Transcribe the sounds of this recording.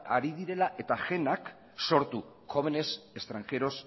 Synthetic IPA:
aɾið̞iɾe̞laʔe̞t̪aʝe̞nak | so̞ɾt̪u | xo̞βene̞se̞st̪ɾaŋxe̞ɾo̞s

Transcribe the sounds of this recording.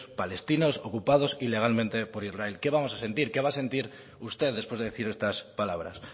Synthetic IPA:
spale̞st̪inoso̞kupað̞o̞sile̞ɣalmẽnt̪e̞po̞ɾizrae̞lke̞β̞amo̞sase̞nt̪iɾke̞βase̞nt̪iɾ | ust̪e̞ððe̞spwe̞zðee̞θiɾe̞st̪aspalaβ̞ɾa̰s

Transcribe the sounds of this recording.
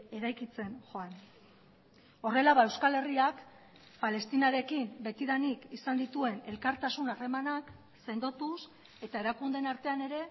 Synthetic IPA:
e̞ɾajkit͡se̞nʝo̞an | o̞re̞laβae̞wskale̞riak | pale̞st̪inaɾe̞kimbe̞t̪iðanikisand̪it̪ue̞ne̞lkaɾt̪asunare̞manak | se̞nd̪o̞t̪us | e̞t̪aeɾakund̪e̞naɾt̪e̞ane̞ɾe̞

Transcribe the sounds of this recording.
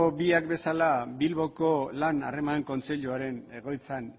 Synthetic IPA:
obiakbe̞salabilβo̞ko̞lana̰re̞maŋko̞nt͡seʎuaɾe̞ne̞ɣ̞o̞jt͡san

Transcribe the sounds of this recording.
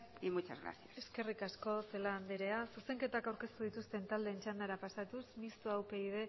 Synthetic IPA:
imut͡ʃazɣɾa̰θjase̞ske̞rikasko̞se̞laːnd̪eɾe̞asuse̞ŋke̞t̪akawɾke̞st̪uð̞it̪ust̪e̞nt̪ald̪e̞ːnt͡ʃand̪aɾapasat̪usmist̪uawpe̞iðe̞

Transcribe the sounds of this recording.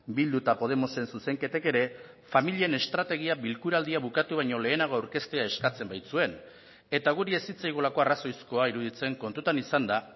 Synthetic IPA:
bild̪ut̪apo̞ð̞e̞mo̞se̞nsuse̞ŋke̞t̪e̞ke̞ɾe̞ | familiene̞st̪ɾat̪e̞ɣ̞iaβilkuɾald̪iaβukat̪uβ̞ajɲo̞le̞ːnaɣo̞awɾke̞st̪e̞ae̞skat͡se̞mbajt͡sue̞n | e̞t̪aɣ̞uɾie̞sit͡sajɣ̞olako̞araso̞jsko̞aiɾuð̞it͡se̞ŋko̞nt̪ut̪anisand̪a

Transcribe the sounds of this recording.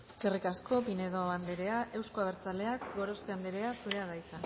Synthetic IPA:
eske̞rikasko̞pine̞ðoaβand̪eɾe̞ae̞wskoaβ̞e̞ɾt͡sale̞akɡo̞ɾo̞st̪eand̪eɾe̞asuɾe̞aðajsan

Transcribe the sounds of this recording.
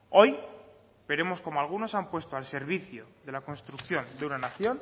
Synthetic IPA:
o̞j | be̞ɾe̞mo̞sko̞moalɣ̞uno̞sampwe̞st̪oalse̞ɾβ̞iθjo̞ðe̞lako̞nst̪ɾukθjo̞nd̪eunanaθjo̞n

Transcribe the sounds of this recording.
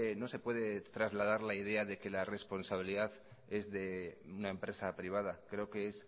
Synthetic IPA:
no̞se̞pwe̞ðe̞t̪ɾazlað̞aɾlaið̞e̞aðe̞ke̞lare̞spo̞nsaβ̞iliðaθ | e̞zðe̞unae̞mpɾe̞sapɾiβ̞að̞akɾe̞okees

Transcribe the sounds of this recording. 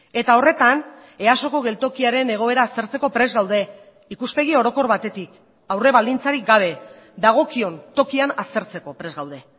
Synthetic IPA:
e̞t̪ao̞re̞t̪an | e̞aso̞ko̞ɣ̞e̞lt̪o̞kiaɾe̞ne̞ɣ̞o̞e̞ɾaːst̪e̞ɾt͡seko̞pɾe̞zɣawðe̞ | ikuspe̞ɣ̞io̞ɾo̞ko̞ɾβat̪e̞t̪ik | awre̞βald̪int͡saɾik̚ɡaβ̞e̞ | ðaɣ̞o̞kio̞nt̪o̞kianast̪e̞ɾt͡se̞ko̞pɾe̞zɣawðe̞

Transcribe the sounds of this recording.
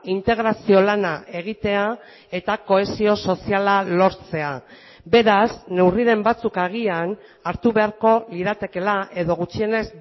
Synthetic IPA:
int̪e̞ɣ̞ɾasio̞lanaʔe̞ɣ̞it̪e̞a | e̞t̪ako̞e̞sio̞so̞sialalo̞ɾt͡se̞a | be̞ɾasne̞wriɾe̞mbat͡sukaɣ̞ian | aɾt̪uβe̞aɾko̞liðat̪e̞ke̞lae̞ðo̞ɣ̞ut͡ʃie̞ne̞z

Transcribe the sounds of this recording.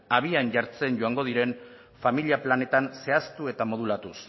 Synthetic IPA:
aβianʝaɾt͡se̞nɟo̞aŋɡo̞ð̞iɾe̞n | familiaplane̞t̪anse̞ast̪ue̞t̪amo̞ð̞ulat̪us

